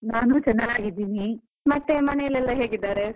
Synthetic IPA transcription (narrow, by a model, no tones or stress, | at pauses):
naːnut͡ʃɛnːaɡaːɡid̪ːiːni | mɐt̪ːemɐnejɐlɛlːɐɦeːɡid̪aːɾe